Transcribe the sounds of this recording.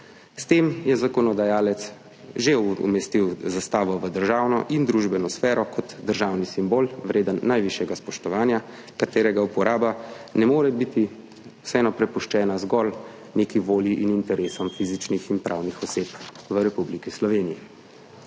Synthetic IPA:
st̪eːmjɛzakɔnɔd̪ajaːlɛt̪s | ʒeṵmɛst̪iwzast̪aːʋɔʋəd̪əɾʒaːwnɔ̰ʔind̪ɾuʒbɛnɔsfɛːɾɔkɔt̪d̪əɾʒawnisimboːlʋɾeːd̪ənːajʋiʃjɛɡaspɔʃt̪ɔʋaːnja | kat̪eːɾɛɡaupɔɾaːbanɛmoːɾɛbit̪i | wsɛɛnɔpɾɛpuʃt͡ʃɛːnazɡɔl | neːkiʋoːljiʔinint̪ɛɾeːsɔmfizit͡ʃnixinpɾʔaːwnixɔseːt̪ʋəɾɛpublikislɔʋeːnijɛ

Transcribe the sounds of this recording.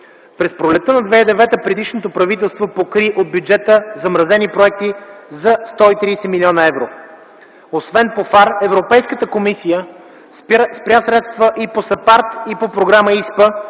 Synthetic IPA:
pɾɛspɾolɛt̪ːənɐd̪vɛid̪ɛvɛt̪əpɾɛd̪iʃnot̪opɾɐvit̪ɛlˠst̪vopokɾiʔod̪̚bjud͡ʒɛt̪əzɐmɾɐzɛnipɾoɛk̚t̪izɐst̪ɔit̪ɾijsɛmilʲiɔnəɛvɾo | osvɛnpofaɾɛvɾopɛjskət̪əkomisijə | spɾʲasɾɛt̪st̪vəʔiposɐpaɾt̪ipopɾoɡɾaməispə

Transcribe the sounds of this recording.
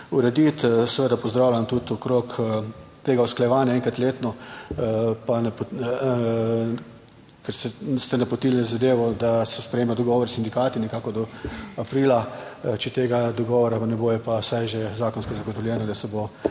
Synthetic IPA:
uɾɛd̪it̪sɛʋəd̪apɔzd̪ɾaːwlʲamt̪ut̪ɔkɾokt̪eːɡausklajɛʋaːnjaɛŋkat̪leːt̪nɔ | panp | kɛɾsɛst̪ɛnapɔt̪ilnɛzad̪eːʋɔd̪asɛspɾɛjeːmad̪ɔɡɔːʋɔɾsind̪ikaːt̪inɛkaːkɔd̪ɔapɾiːlat͡ʃɛt̪eːɡad̪ɔɡɔːʋɔɾapanɛboːjɛpasajʒezaːkɔnskɔzaɡɔt̪ɔwlʲjɛːnad̪asɛbo

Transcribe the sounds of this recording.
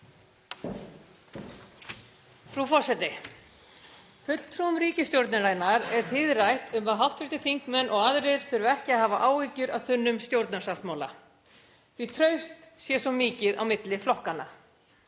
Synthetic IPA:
fɾufɔr̥sɛt̪ɪ | fʏt̪l̥t̪ʰɾumɾiːcɪst̪jowɾt̪nalaːjnaɾɛɾ̥t̪ʰɪðrajht̪ʏmvaðɦawht̪vɛɾt̪ɪθiŋkmɛnːʔɔɣaðɾɪɾ̥θɪɾʏvɛhcɪaðhaːvaʔaːwiːcʏɾaðθʏnːʏmst̪jowɾt̪nasalt̪maːwla̰ | θit̪ʰɾœɥst̪sjɛsɔmːiːcɪða̰wmɪt̪lɪflɔhkanːa

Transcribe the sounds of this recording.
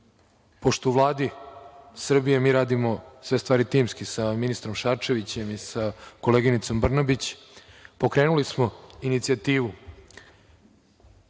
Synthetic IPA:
po̞ʃt̪ouʋlˠaːd̪i | sr̩bijemiːɾaːd̪imo̞sʋe̞st̪ʋaːɾit̪iːmskisaminist̪ɾo̞mʃaːt͡ʃe̞ʋit͡ɕe̞misako̞leːɡinit̪so̞mbr̩nabit͡ɕ | po̞kɾe̞ːnulismo̞init̪siat̪iːʋu

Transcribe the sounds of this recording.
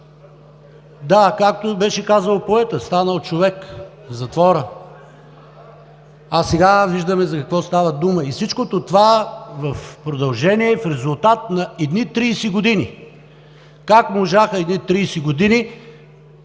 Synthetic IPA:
d̪akak̚t̪obɛʃɛkazəlˠopoɛt̪əst̪anəlˠt͡ʃovɛk | zɐt̪vɔɾə | asɛɡaviʒd̪əmɛzɐkɐkvɔst̪avɐd̪uməifsit͡ʃkot̪ot̪ovavɐfpɾod̪ɐlˠʒɛniɛfɾɛzʊlˠt̪at̪̚nɐɛd̪nit̪ɾiːsiɡod̪ini | kakmoʒaxəɛd̪nit̪ɾiːsiɡod̪ini

